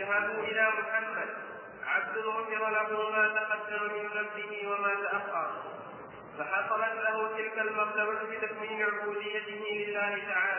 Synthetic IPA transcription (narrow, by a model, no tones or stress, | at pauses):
aɦabʊʔɪlaːmʊħamːad̪̚ | ʕab̚d̪ʊlʊfɪɾˤɑlaɦʊːmaːt̪aqɑd̪ːamamɪnzamd̪ɪɦɪwamaːt̪aʔafhɑɾ | faħɑsˤɑlɑt̪laɦʊt̪ɪlkalmɑqd̪ɑɾɑbɪt̪akwiːlɪʕʊbuːd̪ɪjːat̪ɪɦɪlɪlːaːhɪt̪aʕaːla